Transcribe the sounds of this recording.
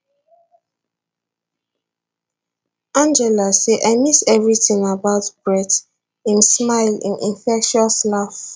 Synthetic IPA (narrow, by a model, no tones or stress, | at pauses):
ãnd͡ʒɛlaseʔaɪmisɛvɹitĩŋabaʊtb̥ɹɛt | ĩnsmaɪlḭ̃nʔĩnfɛkʃuɔslaf